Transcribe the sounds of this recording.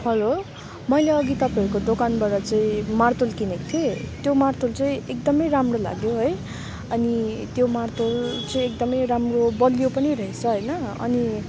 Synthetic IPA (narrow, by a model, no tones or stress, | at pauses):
bʰʌlo | mʌjleʌɡit̪ʌpaiɾukod̪okanbaɾʌt͡saĩmart̪olkinekt̪ʰiet̪jomart̪olt͡sãĩek̚d̪ʌmʌjɾamrola̰ɡjoɦʌj | ʌnit̪jomart̪olt͡saĩek̚d̪ʌmʌjɾamrobʌlijopʌniɾʌɦet͡sʰʌɦʌjnʌʌ̰ni